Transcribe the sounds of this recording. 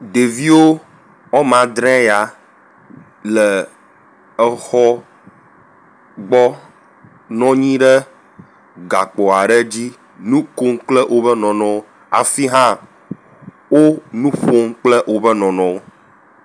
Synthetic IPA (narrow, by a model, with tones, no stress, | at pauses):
ɖe˨vi˦wo˦ | ɔ˦mã˨d̪ɾɛ̃˦ja˨ | lɛ˨ | ɛ˦xɔ˦ | ɡ͡bɔ˦ | nɔ̃˦ɲĩ˦ɖɛ˦ | ɡa˨k͡pɔ˨a˨ɖe˦d͡ʑi˦ | nũ˦ko˦ŋk͡plɛ˦ʔo˦bə˦nɔ̃˨nɔ̃˦o˦ | a̰˨fi˦ɦã˦ | wo˦nũ˦ɸo˦ŋk͡plɛ˦ʔwo˦bə˦nɔ̃˨nɔ̃˨wo˦